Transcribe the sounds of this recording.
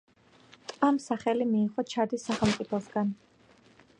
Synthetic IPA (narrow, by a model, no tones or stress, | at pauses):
t̪ʼvamsaχɛlimiːχʼɔt͡ʃʰad̪isːaχɛlˠmt̪sʼipʰɔsɡan